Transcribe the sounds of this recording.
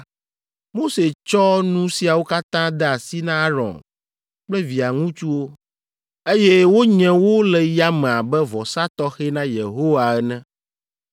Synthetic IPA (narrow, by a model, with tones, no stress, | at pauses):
mo˦se˨t͡ʃɔ˦nũ˦si˨a˨wo˦ka˦t̪ã˦d̪ɛ˦a˨si˦nã˦ɾɔ̰̃˨n | k͡plɛ˦vi˨a˨ŋũ˦t͡ʃu˦wo˦ | e˦je˦wo˦ɲɛ̃˨wo˦lɛ˨ja˦mɛ̃˨a˨bɛ˦vɔ˨sa˦t̪ɔ˦xe˦nã˦je˨ɦo˦wa˨ɛ˦nɛ̃˦